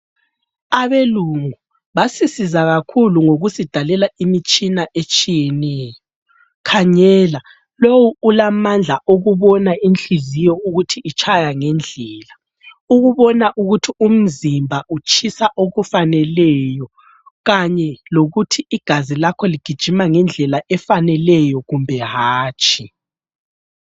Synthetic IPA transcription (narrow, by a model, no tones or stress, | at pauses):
aβeluŋu | βasisizaɣakʰuluŋoɣusid̥ʱalɛlaimit͡ʃʼinaʔet͡ʃʼijɛnɛːjɔɔ | kʰaɲɛːla | lowuːlamand͡ɮʱaʔoɣuβɔnainɬizijɔuɣutʰiːt͡ʃʰʼajaŋɛnd͡ɮʱɛːla | uɣuβɔnaʔuɣutʰium̩zimbʱaʔut͡ʃʼʰisaʔoɣufanɛlɛjɔ | ɣaɲɛloɣutʰiiɡ̥ʱazilakʰɔliɡ̥ʱid̥ʒ̥ʱimaŋɛnd͡ɮʱɛlaʔɛfanɛlɛjɔɣumbʱɛɦaːt͡ʃʰʼi